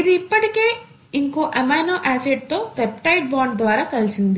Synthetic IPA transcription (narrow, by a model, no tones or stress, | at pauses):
id̪iipːɐʈikeː | iŋkoːʔɐmaːnoːʔaːseɖ̚t̪o̞ːpepʈɐjʈ̚baːɳɖd̪ʋaːɾaːkɐlisind̪i